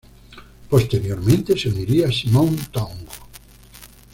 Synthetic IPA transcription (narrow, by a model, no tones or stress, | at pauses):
post̪eɾjoɾmẽnt̪eseuniɾiasimõnt̪aŋɡo̥